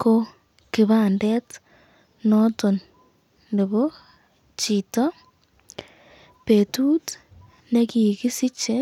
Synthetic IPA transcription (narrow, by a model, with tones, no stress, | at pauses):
ko˦ | ki˨βaːnde˦t | noto˨n | nde˨βo˦ | t͡ʃi˨to˦ | petu˦t | ne˦ki˨ki˦si˦t͡ʃe˦